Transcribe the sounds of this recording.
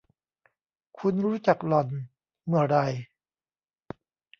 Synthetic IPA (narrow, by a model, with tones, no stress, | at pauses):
kʰu˧nɾuː˦˥t͡ɕa˨˩k̚lɔ˨˩n | mɯ˨˩ɐɾa˧j